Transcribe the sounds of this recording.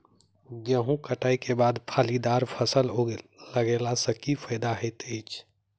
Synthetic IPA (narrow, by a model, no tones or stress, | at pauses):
ɡəɦũkəʈaːikebaːd̪pʰaːlid̪aːɾpʰəsəlɦoləɡelasə̃kipʰəɪd̪aɦɛt̪et͡ʃʰ